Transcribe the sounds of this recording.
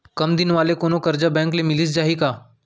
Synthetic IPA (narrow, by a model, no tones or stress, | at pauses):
kɐmd̪ɪnʋaːlekoːnõkɐɾd͡ʒabɛ̃ːŋklemɪlisd͡ʒaːɦikaː